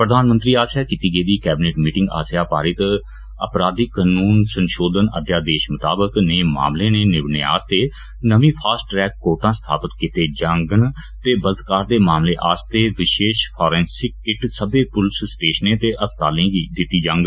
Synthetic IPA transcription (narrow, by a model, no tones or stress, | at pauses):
pɾəd̪ʱaːnmə̃nt̪ɾiːaːsjaːkit̪iːɡəiːd̪iːkɛːbneːʈmiːʈɪ̃ŋɡa̰ːsjaːpaːɾɪt̪ | ə̰pɾaːd̪iːkənuːnsənʃoːd̪ənə̰d̪jaːd̪eːʃmət̪a̰ːbəkneːma̰ːmleːneːnɪʋnḛːa̰ːst̪eː | nəʋĩːpʰaːsʈːɾɛːkːoːʈãːsə̥t̪ʰa̰ːpət̪kɪt̪eːd͡ʒəŋɡən | t̪eːbələt̪kaːɾd̪eːmaːmleːʔa̰ːst̪eːʋɪʃeːʃpʰɔːɾɛ̃ːnsɪkːɪʈsəbeːpʊlssʈeːʃnẽːt̪eːʔəst̪aːlẽːɡid̪ɪt̪ːiːd͡ʒə̃ŋɡ